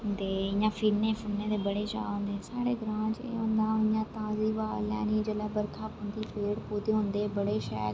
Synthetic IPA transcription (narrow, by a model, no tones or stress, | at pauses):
ɦʊnd̪eːɪjãːfʰiːɾnẽːfʰʊnẽːt̪ebəɽet͡ʃa̰ːɦʊ̃ːnd̪esaːɽeɡɾãːt͡ʃḛɦʊ̃nd̪ãːɪ̃jãːt̪aːziːʋaːlja̰ːnid͡ʒeːlaːbəɾkʰaːpə̃nd̪iːpeːɽpoːd̪eɦʊ̃ːnd̪eːbəɽeʃɛː